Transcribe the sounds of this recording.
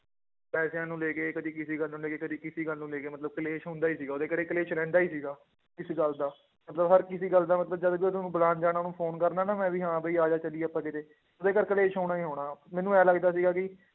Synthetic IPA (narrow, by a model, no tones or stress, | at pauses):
pɛːsjãːnũːleːkeːkəd̪iːkɪsiːɡəlnũːleːkeːkəd̪iːkɪsiːɡəlnũːleːkeːmət̪ləb̚kəleːʃɦʊ̃nd̪aːiːsiːɡaːʊd̪eːkəɾeːkəleːʃlɛ̃ːnd̪aːiːsiːɡaː | kɪsiːɡəld̪aː | mət̪ləbɦəɾkɪsiːɡəlːd̪aːmət̪ləbd͡ʒəd̪biːʊd̪nũːbəlaːnd͡ʒaːɽaːnũːpʰoːnkəɾnaːnaːmɛ̃ːʋiːɦãːbəiːaːd͡ʒaːt͡ʃəliːɛːəpːãːkɪt̪eː | ʊd̪eːkəɾkəleːʃɦoːɽaːiːɦoːɽ̃aːmɛ̃ːnũːɛːləɡd̪aːs̬iːɡaːkɪ